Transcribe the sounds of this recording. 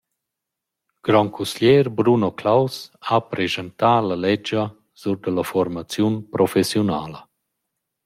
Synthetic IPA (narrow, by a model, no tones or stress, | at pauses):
ɡ̥ɾɔŋkʰusljɛːɾbɾunoklawsapɾezənt̪aːlalɛd͡ʒə | z̥uɾd̪ələfɔɾmat͡sjunpɾʔɔfesjunaːlə